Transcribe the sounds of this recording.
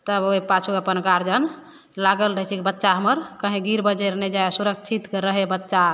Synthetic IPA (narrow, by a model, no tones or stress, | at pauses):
t̪əboipat͡ʃʰuəpənɡaɾd͡ʒən | laɡəlɾəɦɛt͡ʃʰɛkibətːʃaɦəməɾkəɦẽɡiɾbəd͡ʒəɾnɛd͡ʒaesuɾək̚t͡ʃʰit̪kɾəɦebətːʃa